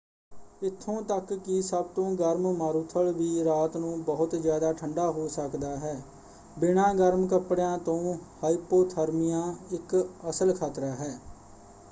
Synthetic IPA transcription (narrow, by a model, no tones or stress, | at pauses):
ɪt̪ʰːõːt̪əkːɪsəb̚t̪õːɡəɾmmaːɾuːt̪ʰəɭʋiːɾaːt̪nũːbəɦʊt̪zjaːd̪aːʈʰəɳɖaːɦoːsəkd̪aːɦɛː | bɪɳ̃ãːɡəɾmkəpɽjãːt̪õːhaːiːpoːt̪ʰəɾmijãːɪkəsəlkʰaːt̪ɾaːɦɛː